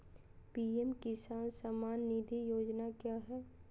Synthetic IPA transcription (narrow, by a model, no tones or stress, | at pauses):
piːɛmkɪsaːnsamaːnːid̪ʱijoːd͡ʒnakjaːɦɛː